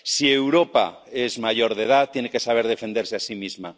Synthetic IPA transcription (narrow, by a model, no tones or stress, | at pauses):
siewɾopa̰ | ezmaʝoɾð̞eð̞at̪ːjenekesaβ̞eɾðefend̪eɾseasimizma